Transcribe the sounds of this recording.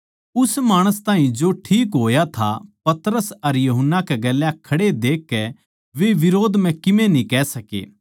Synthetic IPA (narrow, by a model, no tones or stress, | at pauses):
ʊsmaːɽ̃əst̪aːɦĩd͡ʒoːʈʰiːk̬ɦoːjat̪ʰa̰pɐt̪ɾəsɐɾjɐɦənːakɛɡɛːljakʰɐɽed̪eːkːɛ | ʋeʋɪɾoːd̪mɛ̃kɪmẽnĩkɛːsɐkḛː